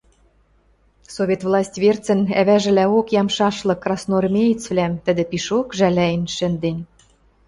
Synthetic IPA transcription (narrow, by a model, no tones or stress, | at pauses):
soβʲet̪vlˠɑsʲtʲβert͡sə̆næβæʒɘ̆læokjɑmʃɑʃlɤ̆kːrɑsnormʲejit͡sβlæmt̪ə̆d̪ɘ̆piʃokʒælæjɘ̆nʃɘ̆nd̪enʲ